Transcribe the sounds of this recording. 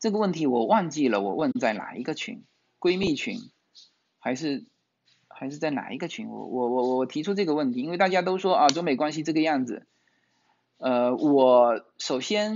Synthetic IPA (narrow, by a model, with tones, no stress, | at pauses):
ʈ͡ʂɤ˥˩ɡə˩wə˥˩nt̪ʰi˧˥wɔ˨˩wɑ˥˧nt͡ɕi˥˩lə˩wɔ˨˩wə˥˧nt͡sa˥˩ɪna̰˨˩i˧˥ɡə˧t͡ɕʰy̰˧˥n | kwe˥ɪmi˥˩t͡ɕʰy̰˧˥n | xa˧˥ɪʂ̬ɻ̩˥˩ | xa˧˥ɪʂɻ̩˥˧t͡sa˥˩ɪna̰˨˩i˧˥ɡə˧t͡ɕʰy˧˥nwɔ̰˧˩wɔ˧˩wɔ˧˩wɔ˧˩ɔ˨˩t̪ʰi˧˥ʈ͡ʂʰu˥ʈ͡ʂɤ˥˩ɡə˩wə˥˩nt̪ʰi˧˥nwe˥˧ɪt̪a˥˩t͡ɕja˥t̪̬o˥ʊʂwɔ˥ɐ˧˩ʈ͡ʂʊ˥ŋme˨˩ɪkwa˥nɕ̬i˧ʈ͡ʂɤ˥˩ɡə˩˧jɑ˥˩ŋd͡zɹ̩˩ | ə˥˧wɔ˨˩ | ʂo˨˩ʊɕjɛ˥n